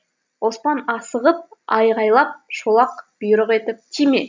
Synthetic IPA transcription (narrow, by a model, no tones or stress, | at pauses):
wo̞spɑnɑsəʁəp̚ɑjʁɑjlˠɑp̚ʃolˠɑqb̥ʊjɾəqe̞t̪ɪp̚t̪ʰimḛ